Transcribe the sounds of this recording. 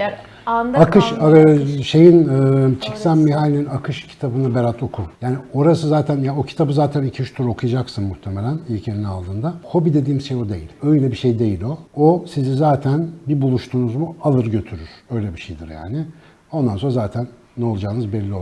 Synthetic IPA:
akɯʃaʃe̞jinɯt͡ʃʰicsænmiɦalʲeninakʰɯʃcʰi̥t̪ʰabɯnabeɾat̪ʰo̞kʰujaːnio̞ɾasɯzaːt̪ʰænjaocʰi̥t̪ʰabɯzaːt̪ʰænicʰiyʃt̪ʰuɾo̞kʰujad͡ʒaksɯnmuht̪ʰemelʲænilʲcʰje̞ɾinina̰lˠd̪ɯːnd̪aho̞bid̪e̞d̪iːmʃejo̞d̪e̞jḭlʲøjlʲɛbiʃejd̪e̞jilʲo̞osizizaːt̪ʰænbibulˠuʃt̪ʰuːnuzmualˠɯɾɟø̞t̪ʰyɾyɾ̥ø̞jlʲɛbiʃḛjd̪iɾja̰ːnɪ | o̞nd̪anso̞nɾazaːt̪ʰænːɛo̞lˠad͡ʒaːɯnɯzbɛlʲːio

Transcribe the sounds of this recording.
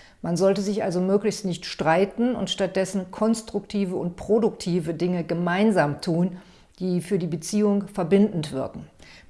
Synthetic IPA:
manzɔltəzɪçʔalzomøːklɪçstnɪçtʃtʁ̥aɪtn̩ʊ̰ntʃtat̚d̥ɛsn̩kʰɔnstʁ̥ʊktʰiːvəʊnt̚pʁ̥odʊktʰiːvədɪŋəɡəmaɪnzaːmtʰuːn | d̥iːfyːɐdiːbət͡siːʊŋfɛɐbɪndn̩tv̥ɪ̰ɐkŋ̩

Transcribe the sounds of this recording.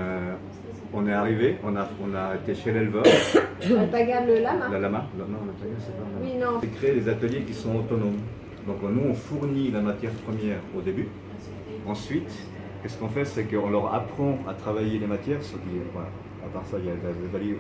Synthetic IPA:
ø | ɔ̃nɛaʁiveɔ̃naɔ̃naet̪eʃelɛlvœʁepaɡabləlamaləlamalnɔ̃lat̪ajɛ̃sɛpalaiñsɛkχeed̪ezat̪əljekʲisɔ̃ot̪ɔnom | d̪ɔ̃knuɔ̃fuʁnilamat̪jɛʁpχəmjɛːʁod̪eby | ɑ̃sɥit̪ | kəsə̥kɔ̃fɛsɛkəɔ̃lœʁa̰pχɑ̃a̰t̪χavajelemat̪jɛːʁsəkiva | apaʁsailjad̪azat̪əlje

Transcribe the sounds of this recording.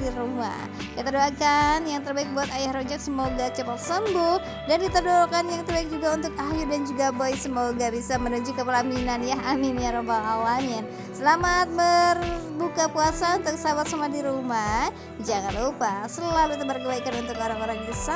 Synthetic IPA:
diɾuma̰h | kit̪adoakanjaŋt̪ərbaik̚buat̪ajahɾod͡ʒak̚səmoɡat͡ʃəpat̪̚səmbʊh | dandit̪ərdoakanjaŋt̪ərbaɪk̚d͡ʒuɡaunt̪ʊk̚aɦjudand͡ʒuɡabojsəmoɡabisamənuɲd͡ʒukːəpalaminanjaɦaminjaɾobalawamɪn | səlamat̪̚mər | bukapuasaunt̪ʊk̚sabat̪samuadiɾuma | d͡ʒaŋanlupasəəlahbit̪abərkəbaikanunt̪ʊkoɾaŋoɾaŋdisa

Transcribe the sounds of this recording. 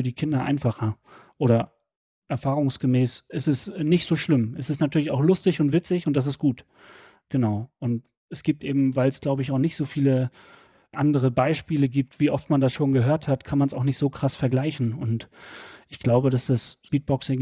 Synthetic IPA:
yːɐdiːkʰɪndɐʔa̰ɪnfaχɐ | ʔoːɾɐ | ʔɛɐfaːʁʊŋsɡ̥əmɛːsʔɪstɛsnɪçtz̥oːʃlɪmʔɛsɛstnatʰyɐlɪçaʊxlʊstɪçʊntv̥ɪt͡sɪçʊntd̥as̬ɪstɡ̥uːt | ɡ̥ənaʊʔʊnt | ɛsɡ̥iːp̚tʔeːbm̩vaɪlɛsɡ̥laʊbəɪçaʊxnɪçtz̥oːfiːlə | ʔandəʁ̞əbaɪʃpiːləɡiːp̚tv̥iːʔɔftmandasʃoːnɡəɦøːɐthatkʰanmansaʊxnɪçtz̥oːkʁ̥asfɛɐɡlaɪçn̩ʊntʔɪçɡ̥laʊbədasd̥asspiːt̚b̥ɔksɪŋ

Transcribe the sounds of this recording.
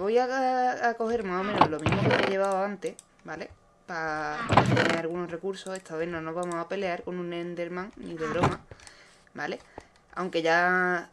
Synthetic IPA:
βo̞jaako̞he̞ɾmaɦo̞mẽnoɦlo̞miɦɦmokoeʎe̞β̞aoant̪e̞h | bale̞ | paenenalɣuno̞sre̞kuɾso̞e̞t̪ʰaβenonoβamoɦape̞le̞aɾko̞nũnend̪e̞ɾmãŋniðe̞βɾo̞ma | bale̞ | a̰wŋke̞ʝa

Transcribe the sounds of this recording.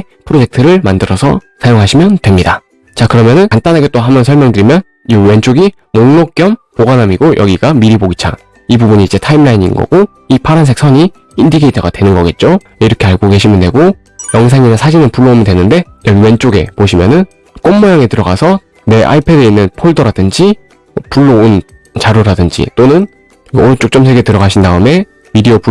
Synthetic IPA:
pʰɯɾod͡ʑe̞k̚tʰɯɾɯɭmandɯɾʌsʰʌsʰajoŋɦaɕʰimjʌndwe̞mɲida | t͡ɕakɯɾʌmjʌnɯnkant͈anɦaɡet͈oɦamjʌnsʰʌɭmjʌŋdɯɾimjʌn | iwe̞nt͡ɕ͈oɡi | moŋnok̚k͈jʌmpoɡanamiɡojʌ̰ɡiɡamiɾiboɡit͡ɕʰa̰ŋ | ibubuɲiːd͡ʑe̞tʰaimɭainḭnɡʌ̰ɡ̥o | ipʰaɾans̬ʰek̚sʰʌɲi | indiɡeitʰʌɡadwe̞nɯnɡʌɡe̞t̚t͡ɕ͈o | iɾʌkʰe̞aɭɡoɡe̞ɕʰimjʌndwe̞ɡo | jʌŋs̬ʰaŋinasʰad͡ʑinɯnpuɭːoomjʌndwenɯnde̞jʌɡiwent͡ɕ͈oɡe̞̰poɕʰimjʌnɯn | k͈omːʌjaŋetɯɾʌɡasʰʌ | ne̞ʔa̰ipʰe̞de̞inːɯnpʰoɭdʌɾadɯnd͡ʑi | puɭːoon | t͡ɕaɾoɾadɯnd͡ʑḭt͈onɯn | ot͡ɕ͈ok̚t͡ɕ͈ʌmsʰeɡe̞tɯɾʌɡaɕʰindaɯme̞ | midiopu

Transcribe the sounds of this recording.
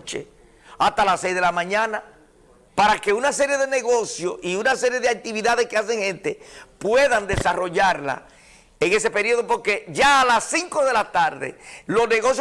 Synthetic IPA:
t͡ʃḛ | ast̪alasejzðelamãɲãna | paɾake̞unase̞ɾje̞ðe̞ne̞ɣo̞sjo̞̰siunase̞ɾje̞ðeak̚t̪iβiðaðe̞skeas̬e̞ŋhe̞nt̪e̞pwe̞ðand̪e̞saro̞ʝaɾla̰ | eŋe̞se̞pe̞ɾio̞ðopoɾke̞ʝaːlasːiŋko̞ðe̞lat̪aɾðḛlo̞sne̞ɣo̞sj

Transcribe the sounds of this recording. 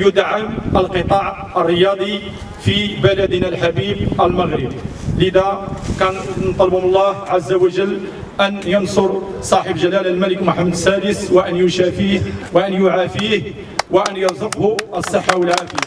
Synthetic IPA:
jʊd̪ʕamʔəlqət̪ˤɑʕ | ərˤːəjɑd̪ˤi | fibælæd̪nælħabibʔəlməɣɾəb̚ləd̪ækænnt̪ˤːɑlbhʊmlˤːɑhʕazːawəʒəlː | ʔænjɑnsʊɾsˤɑħəbʒælælælmæləkmʊħamːəd̪sæd̪əswəʔənjʊnʃæfihwəʔænjʊʕafih | wəʔənjɑɾˤzˤəqhuʔəsˤːəħːawəlʕad̪i

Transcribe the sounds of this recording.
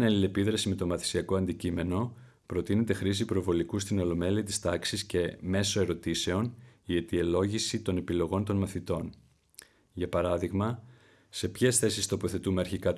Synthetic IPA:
nɐlile̞piðɾɐsime̞t̪o̞mɐθi̥siɐko̞ɐnd̪icime̞no̞ | pɾo̞t̪ine̞t̪e̞xɾisipɾo̞vo̞likust̪ino̞lo̞me̞liɐt̪i̥st̪ɐksisce̞me̞so̞e̞ɾo̞t̪ise̞o̞nie̞t̪ie̞lo̞ʝisit̪o̞ne̞pilo̞ɣo̞nt̪o̞nmɐθit̪o̞n | ʝɐpɐɾɐðiɣmɐ | se̞pçe̞sθe̞sist̪o̞po̞θe̞t̪ume̞ɐɾçikɐt̪

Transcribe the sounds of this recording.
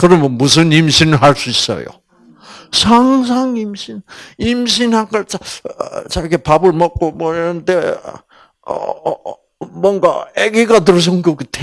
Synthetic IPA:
kɯɾʌmʌmus̬ʰɯnimɕʰinɯɭɦaɭs͈uis͈ʌ̰jo̰ | sʰaŋs̬ʰaŋimɕʰinimɕʰinhakaɭt͡ɕat͡ɕaɡepabɯɭmʌk̚k͈omwʌiɾʌndḛ | ʌ̰ | mwʌnɡa̰eɡiɡatɯɾs̬ʰʌŋɡoɡɯtʰe

